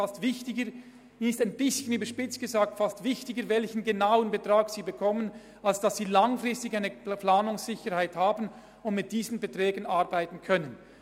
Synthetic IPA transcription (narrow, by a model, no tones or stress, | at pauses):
astv̥ɪçtɪɡə | nɪstaɪnbɪsçənyːbəʃpɪt͡sɡ̥əzaːk̚tfastv̥ɪçtɪɡəɾvɛlçənɡenaʊənbətʁ̥aːksiːbəkʰɔmən | alsd̥asːiːlaŋfʁɪstɪçaɪnəplaːnʊŋsːɪçəɾhaɪthaːbn̩ | ʊndmɪt̚d̥iːzn̩bətʁɛːɡənaʁbaɪtn̩kʰœnən